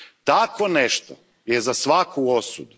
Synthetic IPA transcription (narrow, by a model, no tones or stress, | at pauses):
t̪akʰoneʃt̪o | jezasʋakʰuosud̪u